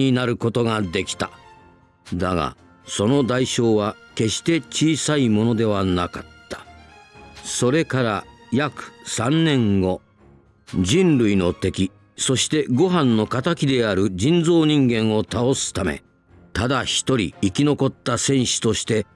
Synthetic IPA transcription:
inaɾɯ̟ko̞t̪o̞ɡad̪e̞kʲi̥t̪a | d̪aɡa̰ | so̞no̞d̪aiɕo̞ːβa | ke̞ɕi̥t̪e̞t͡ɕiːsaimo̞no̞d̪e̞β̞anakat̪ːḁ | so̞ɾe̞kaɾajakɯ̥sãnnːẽ̞ŋɡo̞ | d͡ʑĩnɾɯ̟ino̞t̪e̞kʲi | so̞ɕi̥t̪e̞ɡo̞ɦãnːo̞kat̪akʲid̪e̞aɾɯ̟d͡ʑĩnd͡zo̞ːɲ̟ĩŋɡẽ̞ɰ̃o̞t̪ao̞sɨ̥t̪ame̞̰ | t̪ad̪açi̥t̪o̞ɾʲḭːkʲino̞ko̞t̪ːasẽ̞ɰ̃ɕi̥t̪o̞ɕi̥t̪e̞

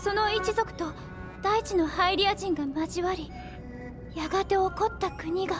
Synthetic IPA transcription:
so̞no̞it͡ɕizo̞kɯ̟̥t̪o̞ | d̪̥ait͡ɕino̞haiɾʲiaʑĩŋɡamaʑiβaɾʲi | jaɡat̪e̞o̞ko̞t̪ːakɯ̟ɲ̟iɡa

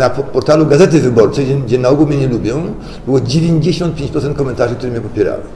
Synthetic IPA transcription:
napɔɾt̪aluɡazɛt̪̬ɘvɘbɔɾt͡ʂɛɡɡd͡ʑɛnaɔɡulmɲɛɲɛlubʲjɔ̃w̃ | bɘwɔd͡ʑevʲeɲd͡ʑeɕɔnt̪̚pʲjeɲt͡ɕpɾɔt̪sɛnt̪kɔmɛnt̪aʐɘk̚t̪uɾɛmɲɛpɔpʲjɛɾa̰wɛ̰

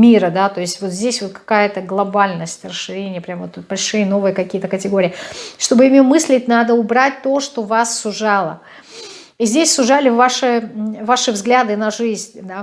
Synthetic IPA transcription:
mʲiɾəd̪at̪o̞ɪsʲtʲvo̞t̪zʲdʲesʲvo̞t̪̚kɐ̥kajət̪əɡlˠɐbalʲnəsʲtʲrəsːɨɾʲenʲɪjəpɾʲamvot̪bɐlʲʂɨjəno̞vɨjəkɐkʲijət̪əkətʲɪɡo̞ɾʲɪjʂt̪o̞bɨjɪmʲomɨsʲlʲɪtʲnad̪əʊbɾat̚ʲt̪o̞ʂt̪o̞vasːʊʐɑlˠə̰ | izʲdʲesʲsʊʐalʲɪvaʂɨvaʂɨvzɡlʲad̪ɨnɐʐɨzʲnʲd̪a

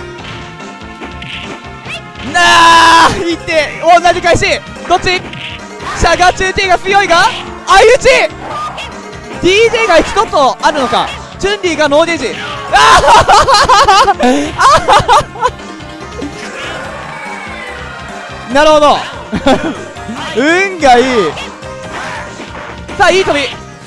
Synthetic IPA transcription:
na | it̪ːe̞õnːad͡ʑikaiɕi | d̪̥o̞t͡ɕi | ɕaɡat͡ɕɨːt̪eɡaɸɯjo̞iɡaː | jɯ̟t͡ɕi | d̪ʲiːd͡ʑeːɡait͡sɨ̥ko̞t̪oaɾɯ̟no̞ka̰ | d͡ʑɨ̃nʲɾʲiɡano̞ːd̪eʑia | a | naɾɯ̟ho̞d̪o̞ | ɯ̟ŋɡaiː | saːiːt̪obʲi

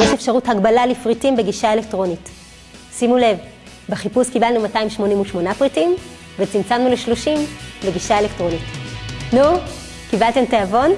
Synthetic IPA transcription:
jeʃefʃaʁuthaɡbalalifʁitimbe̞ɡiʃae̞lek̚tʁo̞nit | simule̞v | beχipuskibalnumataimʃmo̞nimuʃmo̞napʁitim | vet͡simt͡samnule̞ʃlo̞ʃimbe̞ɡiʃae̞lektʁo̞nitnu | kibalte̞mteavo̞n

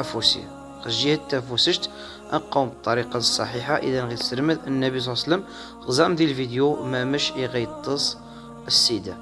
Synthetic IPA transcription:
æfusḭ | xəʒːihæt̪ːæfusəʒt̪ | ʔə̰nqɑwmbət̪ˤːɑɾiqɑsˤːɑ̰ħiħaʔə̰ðænɣit̪səɾməd̪ənːæbis̬ˤsəlːəm | ɣzɑmd̪ilfid̪jumæməʃiɣæjt̪ˤːəsˤ | əsːid̪a

